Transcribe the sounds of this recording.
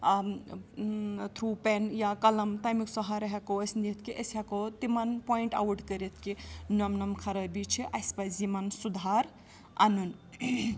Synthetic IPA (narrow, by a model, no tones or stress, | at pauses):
t̪ʰɾupenjakɐlɐmt̪ɐmiksɔɦaɾɐɦekoəsnit̪ʰkiʔəsɦakot̪imɐnpɔiɳʈa̰wʈkəɾet̪ʰkinɐmnɐmkʰɐɾɐbit͡ʃʰiʔaspɐzimɐnsud̪ʱaɾ | ɐ̰nun